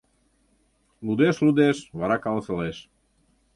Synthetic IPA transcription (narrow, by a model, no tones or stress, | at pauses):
lud̪eslud̪esβaɾakalt͡seles